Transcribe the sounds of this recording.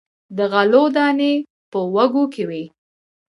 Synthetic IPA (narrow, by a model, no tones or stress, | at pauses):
d̪əɣalod̪ɑne | pəwaɡokʰewi